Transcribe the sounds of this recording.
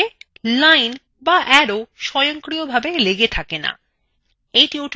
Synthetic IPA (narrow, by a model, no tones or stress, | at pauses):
elajn | baʔɛɾoʃɔjoŋkɾiobʱabeleɡet̪ʰakena̰ | ejʈioʈʰ